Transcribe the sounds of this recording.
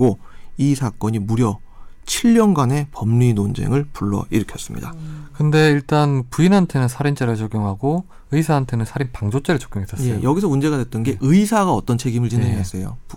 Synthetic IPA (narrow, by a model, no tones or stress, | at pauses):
k͈oisʰak͈ʌɲimuɾjʌ | t͡ɕʰiʎːʌnɡwane̞pʌmɲinond͡ʑe̞̰ŋɯɭpuɭːʌ̰iɾɯkʰjʌs͈ɯmɲḭdakɯnde̞iɭt͈anpuinɦantʰe̞nɯnsʰaɾint͡ɕ͈eɾɯɭt͡ɕok͈joŋɦaɡo | ɯisʰaɦːntʰenɯnsʰaɾinpaŋd͡ʑot͡ɕ͈eɾɯɭt͡ɕo̥kɡjoŋɦes͈ʰʌs͈ejjʌɡisʰʌmund͡ʑe̞ɣadwet͈ɯnɡe̞ʔɯisʰaɡaʌt͈ʌnt͡ɕʰe̞ɡimɯɭt͡ɕinɦeŋeɦes͈ejo̰